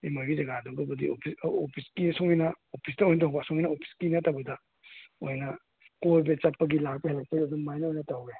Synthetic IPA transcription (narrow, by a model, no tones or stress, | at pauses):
emajbizɐɡadoɡɐbɐdḭo̰pʰisopʰiskisɔŋinɐ | opʰisdɐojnɐtawbɐsɔŋijnɐopʰi̥skinɐtawbɐdɐ | ojnɐ | kojbet͡ʃɐpːɐɡilak̚pɐɦelɐk̚pɐɡiadumajnɐojnɐtawɡe